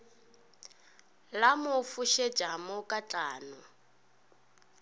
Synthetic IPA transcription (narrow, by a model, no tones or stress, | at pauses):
lamʊfuʃɛ̥d͡ʒʱamʊkʼat͡ɬʼaːnu